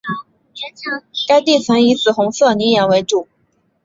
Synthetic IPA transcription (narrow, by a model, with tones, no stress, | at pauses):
ka˥ɪt̪i˥˩t͡sʰə˧˥ni˧˥t͡sɹ̩˨˩xʊ˧˥ŋsɤ˥˩ni˧˥jɑ˧˥we˧˥ɪʈ͡ʂu˨˩˦